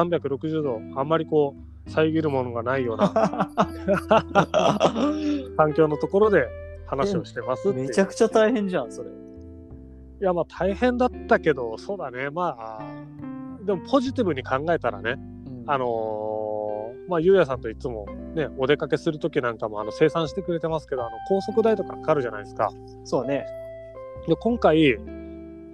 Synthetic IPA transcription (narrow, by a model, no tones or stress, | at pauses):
sãmbʲjakɯ̟ɾo̞kɯ̟ʑɨːd̪o̞ãmːaɾʲiko̞ː | saiɡʲiɾɯ̟mo̞no̞ɡanaijo̞ːna̰a | kãŋk̬ʲo̞ːnot̪o̞ko̞ɾo̞d̪e̞hanaɕio̞ɕi̥t̪e̞masɨt̪ːeeakɯ̟̥t͡ɕat̪aihẽ̞ɲd͡ʑãsoɾe | jamaːt̪ʰaihẽ̞nd̪at̪ːake̞d̪o̞so̞ːd̪ane̞maː | d̪e̞mo̞pʰo̞ʑit̪̬ʲibɯ̟ɲ̟ikʰãŋɡae̞t̪aɾa̰ne̞ | ano̞ | maːjɯ̟ːjas̬ãnt̪o̞it͡sɨmo̞̰ne̞o̞d̪e̞kake̞sɨɾɯ̟t̪o̞kʲinãŋkamo̞ano̞se̞ːsãɰ̃ɕi̥t̪e̞kɯ̟ɾe̞t̪e̞masɨ̥ke̞d̪oano̞kʰo̞ːso̞kɯ̟d̪ait̪o̞kakḁkaɾɯ̟ʑana̰isɨ̥ka̰ | soːne̞ | d̪e̞kõ̞ŋkai